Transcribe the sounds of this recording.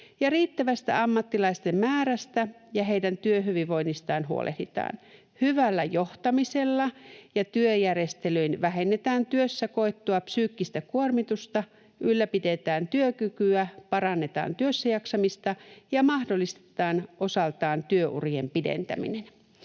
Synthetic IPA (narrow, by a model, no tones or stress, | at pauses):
jɑriːt̪ːæʋæst̪æ̰ɑmːɑt̪ːilɑist̪e̞mmæːɾæst̪æjɑɦejdænt̪yøɦyʋiʋʋo̞inːist̪ɑːnɦuo̰lʔḛh̪it̪ɑ̰ːn | hyʋælːæjo̞ht̪ɑmise̞lːɑjɑt̪yøjære̞st̪elyinʋæɦe̞nːe̞t̪æːnt̪yøsːæko̞et̪ːoɑpsyːkːist̪ækuormit̪ust̪ɑ | ʔylːæpide̞t̪æːnt̪yøkykyæpɑɾɑnːe̞t̪ɑ̰ːnt̪yøsːæjɑksɑmist̪ɑjɑmɑhdolːist̪e̥t̪ɑːnʔo̞sɑlt̪ɑːnt̪yøʔṵriempidḛnt̪æ̰mḭnen